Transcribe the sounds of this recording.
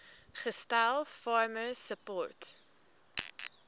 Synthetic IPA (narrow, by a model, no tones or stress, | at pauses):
χəstælˠfɑːɹməsəpɔɹt